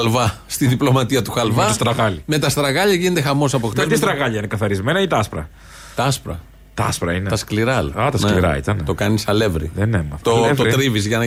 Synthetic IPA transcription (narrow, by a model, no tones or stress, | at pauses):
lvɐ | st̪iðiplo̞mɐt̪iɐt̪uxɐlvɐst̪ɾɐɣɐlime̞t̪ɐst̪ɾɐɣɐʎɐʝined̪exɐmo̞s̬ɐpoxt̪eist̪ɾɐɣɐʎɐinekɐθɐɾizmenɐit̪ɐɐspɾɐ̰ | t̪ɐspɾɐ̰ | t̪ɐɐspɾɐinet̪ɐskliɾɐlɐt̪ɐsneliɾɐ̰ḭt̪ɐnt̪o̞kɐnisɐle̞vɾḭenemɐft̪ooɾt̪ɾivizʝɐnɐ